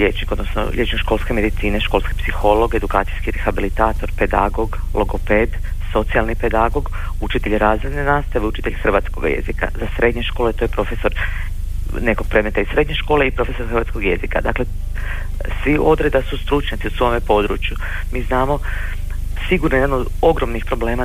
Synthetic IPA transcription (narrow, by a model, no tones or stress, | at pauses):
ʎet͡ʃniko̞d̪nosno̰ʎʔet͡ʃnɲokʃko̞lˠske̞me̞d̪it̪siːneʃko̞lˠskepsixo̞lo̞ɡe̞d̪ukaːt̪sijskiɾexabilit̪aːt̪o̞ɾpe̞d̪a̰ɡo̞ɡ | lʔoɡopeːd̪ | so̞t̪sijalnipe̞d̪aɡo̞ɡ | ut͡ʃit̪e̞ʎɾaːzʋed̪nenaːst̪aʋeut͡ʃi̥t̪eʎxr̩ʋat̪sko̰ɡa̰jḛzika̰zasɾe̞d̪ɲe̞ʃko̞ːlet̪ojepɾo̞fe̞so̞ɾ | ne̞koɡ̚pɾe̞d̪met̪aisːɾe̞d̪ɲe̞ʃkoːleipɾo̞fe̞so̞ɾxrɾʋaːt̪skoɡje̞zika̰d̪aːkle̞ | sʋiʔo̞d̪ɾe̞d̪asust̪ɾut͡ʃɲat̪siusʋo̞mepo̞ːd̪ɾṵːt͡ʃju | miːznaːmo̞ | siɡuɾnojed̪anod̪ | oɡɾo̞mnixpɾo̞ble̞ːma